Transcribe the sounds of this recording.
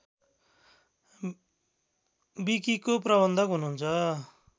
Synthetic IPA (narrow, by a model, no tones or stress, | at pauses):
bikikoprʌβʌnd̪ʱʌkɦunuɦːnt͡sʰʌ